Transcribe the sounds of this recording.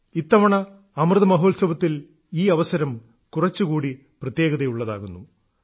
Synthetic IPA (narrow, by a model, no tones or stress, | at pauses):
it̪ːɐʋɐɳɐ | ɐmrɨðɐmɐɦoːlsɐbɐt̪ːil | iːɐʋɐsɐɾɐm | kurɐt͡ɕːukuːɽi | prɐt̪je̞ːɡɐðɐjuɭːɐða̰ːɣunːu